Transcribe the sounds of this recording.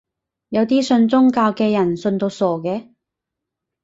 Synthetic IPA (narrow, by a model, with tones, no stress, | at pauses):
jɐ˨˧wt̪iː˥sɵ˧nt͡sʊ˥ŋkaː˧wkɛː˧jɐ˨˩nsɵ˧nt̪o˧wsɔː˨˩kɛː˧